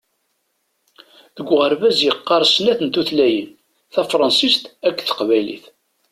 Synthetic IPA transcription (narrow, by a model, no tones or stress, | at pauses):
ðəɡʷːʁəɾvæzjəqːɑɾˤsnæθənt̪uθlæjən | θæfɾˤɑnsist̪ækːθə̥qvæjlḭθ